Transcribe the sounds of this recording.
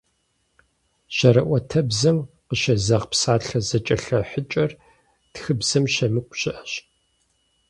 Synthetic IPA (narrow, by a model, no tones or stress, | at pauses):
ɕɐɾɐʔʷɐtʰɐbzɐmqəʃɐzɐʁpsaːɬɐzɐt͡ʃʼɐɬɐħət͡ʃʼɐr | txɨbz̥ɐmʃɐmɨkʷʼɕɪʔɐɕ